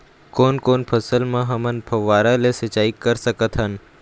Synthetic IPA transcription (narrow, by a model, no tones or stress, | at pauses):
koːnkoːnpʰəsəlmãɦɐmənpʰɐʋaːɾalesət͡ʃaːikəɾsəkət̪ʰɦən